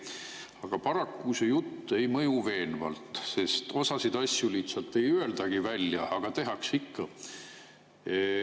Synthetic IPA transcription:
ɑɡ̥ɑpɑɾɑkːusejut̪ːe̞jmɤjuve̞ːnvɑ̰lt̪ˑse̞st̪o̞sɑsid̪̥ɑsʲjuliːt̪sɑt̪ːe̞jyøld̪̥ɑɡ̥ivælʲjɑɑɡ̥ɑt̪e̞ɦɑksikːɑ

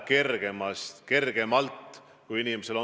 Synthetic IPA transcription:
ke̞rɡ̥emɑst̪ke̞rɡ̥e̞mɑlt̪ːˑ | kujinimese̞lo̞

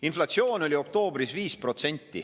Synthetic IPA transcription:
inflɑt̪sjo̞ːno̞lʲio̞k̚t̪o̞ːbɾisviːspro̞t̪se̞nʲt̪ːḭ

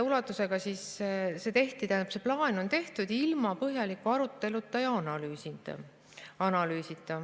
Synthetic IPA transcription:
ulɑt̪ːˑuse̞ɡ̥ɑsisse̞t̪e̞ht̪it̪æjnɑ̥pse̞plɑːno̞nt̪e̞ht̪ud̪̥ilmɑpɤɦjɑlikːˑuɑɾut̪ːˑe̞lut̪ːˑɑjɑɑnɑlyːsit̪ɑ̰ | ɑnɑlyːsit̪ˑːɑ

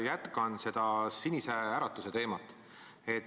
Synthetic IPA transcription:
jæt̪kɑnse̞d̪̥ɑsinʲiseæːɾɑt̪ːˑuse̞t̪e̞ːmɑt̪ːˑ | e̞t̪

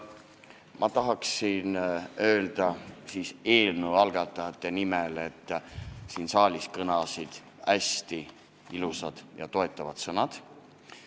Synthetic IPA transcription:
mʔɑt̪ɑɦɑksinø̞ːld̪̥ɑsiːse̞ːlnəɑlɡ̥ɑt̪ːˑɑjɑt̪ːˑe̞nimele̞t̪ːˑsiːnsɑːlʲiskɤnɑsid̪̥ | æst̪i | ilusɑd̪̥jɑ̰t̪o̞e̞t̪ˑːɑvɑt̪sɤnɑd̪̥

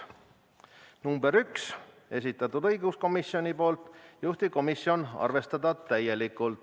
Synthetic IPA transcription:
numbe̞ɾyks | e̞sit̪ːˑɑt̪ːˑud̪ɤjɡusko̞misːionʲipo̞ːlt̪ˑjuht̪iko̞misːio̞nɑ̰rve̞st̪ɑd̪ɑt̪æje̞likːˑult̪

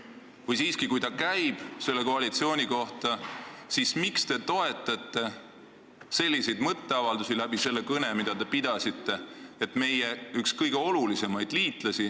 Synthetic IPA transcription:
vɯjsiːskikujt̪ɑkæjb̥selːekoɑlit̪sio̞ːnʲiko̞ht̪ɑsismikst̪e̞t̪o̞e̞t̪ːˑɑt̪ːˑe̞ | se̞lʲːise̞jd̪mɤt̪ːe̞ɑvɑld̪usilæb̥ise̞lːe̞kɤne̞mid̪̥ɑt̪e̞pid̪̥ɑsit̪ːe̞et̪ːme̞jeykskɤjɡe̞o̞lulise̞mɑjd̪̥liːt̪ˑlɑsʲi

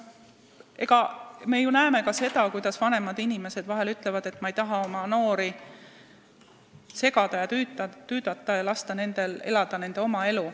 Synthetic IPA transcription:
ʔeɡ̥ɑme̞junæeme̞kɑse̞d̪̥ɑkujd̪̥ɑsvɑne̞mɑd̪inime̞se̞d̪vɑɦe̞lyt̪ːˑlevɑd̪̥e̞t̪ːˑmɑejt̪ɑɦɑo̞mɑno̞ːɾi | se̞ɡ̥ɑd̪̥ɑjɑyt̪yːd̪̥ɑt̪ːˑɑjɑlɑst̪ɑne̞nd̪̥e̞le̞lɑd̪̥ɑne̞nd̪̥e̞o̞mɑe̞lu

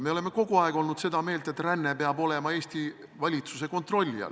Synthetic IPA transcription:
me̞o̞le̞meko̞ɡ̥uɑeɡ̥o̞lnud̪̥se̞d̪ɑme̞ːlt̪et̪ːˑrænːe̞peɑbo̞le̞mɑe̞ːst̪i | vɑlʲit̪suse̞ko̞nt̪ro̞lʲːḭɑ̰l

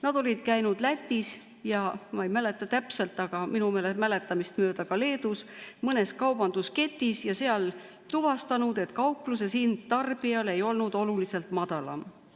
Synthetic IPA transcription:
nɑd̪̥o̞lʲid̪̥kæjnud̪̥læt̪ʲːˑis | jɑmɑejmæle̞t̪ːˑɑt̪æpse̞lt̪ːˑɑɡ̥ɑminumeːlemæle̞t̪ːˑɑmist̪mø̞ːd̪̥ɑkɑle̞ːd̪̥usmɤne̞skɑwb̥ɑnd̪̥uske̞t̪ːˑisjɑseɑl | t̪uvɑst̪ɑnud̪̥e̞t̪kɑwplusesind̪̥̚t̪ɑrb̥iɑle̞jo̞lnud̪o̞lulise̞lt̪mɑd̪̥ɑlɑ̰m

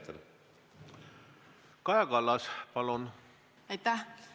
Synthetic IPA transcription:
t̪ːḛl | kɑjɑkɑlːɑspɑlun | ɑjt̪æh

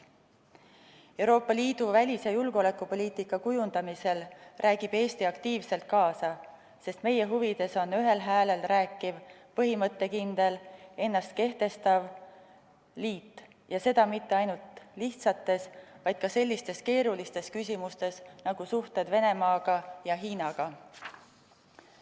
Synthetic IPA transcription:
e̞wɾo̞ːpːˑɑliːd̪̥uvælʲisejulɡ̥ole̞kːˑupo̞lʲiːt̪ikːˑɑkujund̪̥ɑmise̞lrʔæːɡ̥ib̥e̞ːst̪iɑkt̪iːvse̞lt̪̚kɑːsɑ | se̞st̪me̞jeɦuvid̪̥e̞so̞nːyɦe̞lɦæːle̞lræːkːˑivpɤɦimɤt̪ːe̞kind̪̥e̞le̞nːɑst̪̚ke̞ht̪e̞st̪ɑv | liːt̪ːˑ | jɑse̞d̪̥ɑmit̪ːe̞ɑjnult̪liht̪sɑt̪ːe̞svɑjd̪̥kɑse̞lʲːist̪e̞ske̞ːɾulist̪e̞skysimust̪e̞snɑɡ̥usuht̪e̞d̪ve̞ne̞mɑːɡ̥ɑjɑɦiːnɑɡ̥ɑ

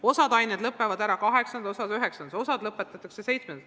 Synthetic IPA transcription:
o̞sɑd̪ɑjned̪lɤpːevɑd̪æɾɑkɑɦe̞ksɑnd̪osɑd̪yɦeksɑn̥o̞sɑd̪lɤpːet̪ːˑɑt̪ːˑɑkse̞se̞jt̪smend̪

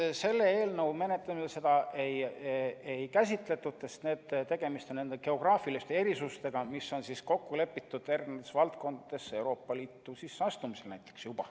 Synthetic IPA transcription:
se̞lːe̞eːlnɤwme̞ne̞t̪lɑmisese̞d̪̥ɑʔe̞j | ejkæsʲit̪ˑle̞t̪ˑːut̪sest̪ne̞ːd̪̥t̪e̞ɡ̥e̞mist̪onːe̞nd̪eɡ̥e̞o̞ɡ̥rɑːfilist̪e̞e̞ɾisust̪e̞ɡ̥ɑmisːo̞nsisko̞kːule̞pːˑit̪ːˑud̪̥e̞rɡned̪esvɑlt̪̚ko̞nd̪ɑd̪̥e̞se̞wɾo̞ːpːˑɑliːt̪ːˑusisːɑst̪umise̞lnæjt̪ːˑe̞ksjub̥ɑ

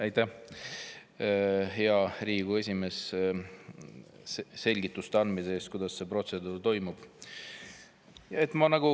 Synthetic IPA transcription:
ɑjt̪ːæh | ɦeɑɾiːɡue̞sʲime̞s | se̞lʲɡit̪ːˑust̪eɑnd̪miseeːst̪̚kujd̪̥ɑsse̞pro̞t̪se̞d̪uːrt̪o̞jmub̥ | jɑe̞t̪ːˑmɑnɑɡ̥u

